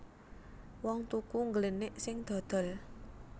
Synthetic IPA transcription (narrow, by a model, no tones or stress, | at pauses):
wɔŋt̪ukuŋɡələnɪʔsɪŋd̪̥ɔ̤d̪̥ɔ̤l